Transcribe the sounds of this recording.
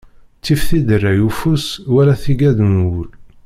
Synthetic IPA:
t͡sːifθid̪ərːæjufuswæɾæθiɡæðnwul

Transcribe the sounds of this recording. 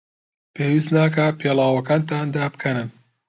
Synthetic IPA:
peːwis̬t̪naːkɐpʰeːlaːwɐkaːnt̪aːnd̪aːbɨkʰɐnɨn

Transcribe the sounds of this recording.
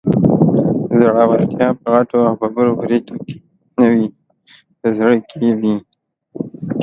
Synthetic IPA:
zəɽawaɾt̪jɑpəɣaʈoawpabəɾopɾet̪oke̥ | nəwi | p̪əzɽəkʰewi

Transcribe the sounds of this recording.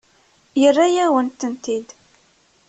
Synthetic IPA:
jərːajæwənt̪ːənt̪id̪

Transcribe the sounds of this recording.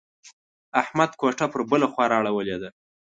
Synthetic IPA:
ahmad̪̚koʈapəɾbəlaxwɑɾɑɽawəled̪a

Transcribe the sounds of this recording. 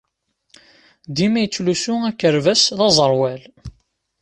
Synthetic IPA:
d̪imæjət͡sːlusʊækːəɾvæsðɑzˤəɾˤwæl

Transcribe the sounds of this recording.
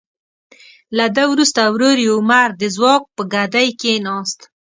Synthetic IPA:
lad̪əwɾust̪awɾoɾjawmaɾd̪əzwɑk̚pəɡad̪ajkenɑst̪

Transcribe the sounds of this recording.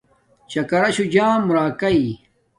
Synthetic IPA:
t͡ɕɐkɐɾɐɕud͡ʑãːmɾaːkɐi

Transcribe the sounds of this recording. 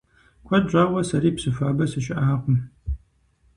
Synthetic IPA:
kʷʰɐd͡ʒʷʼaːʁʷɐsɐɾiːpsɨfaːbɐsɨɕɪʔaːqʷʊm

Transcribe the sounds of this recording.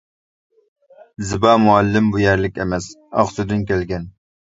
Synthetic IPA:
zɪbɑːmuælːɪmbujɛɾlɪkʲemɛsɑ̰χsud̪ɨnkʲælɡʲɛn

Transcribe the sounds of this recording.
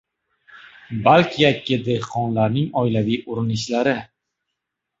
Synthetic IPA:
balkʲʰɪjakʲːɪd̪ehqʰɒnlaɾnɪŋɒjlavijʔʊɾɪnɪʃlaɾɪ

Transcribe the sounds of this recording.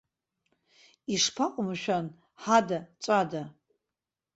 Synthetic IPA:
iʂpʰaqʼʊmʃᶣan | ħadat͡sʷʼada

